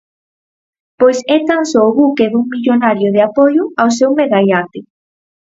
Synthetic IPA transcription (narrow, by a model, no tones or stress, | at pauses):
pojsɛt̪ansɔːβukeðuŋmiʎonaɾjʊðɪapojʊawsewmeɣajat̪ɪ